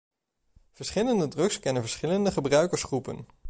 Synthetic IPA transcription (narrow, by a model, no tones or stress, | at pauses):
v̥əɹsχɪləndədrɵkskɛnənvəɹsχɪləndəχəbrœɥkəɹsχrupə̰n